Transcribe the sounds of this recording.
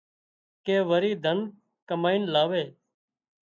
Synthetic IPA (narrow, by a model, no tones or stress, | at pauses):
keːʋəɾiːd̪ʱən | kəmaːiːnlaːʋeː